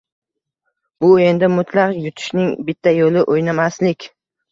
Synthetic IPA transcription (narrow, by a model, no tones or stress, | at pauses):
b̥ʊe̞nd̪ɪmʊt̪ʰlaqjʊt̪ʰɪ̥ʃnɪŋbɪt̪ʰːajolɪʔojnamaslɪkʲ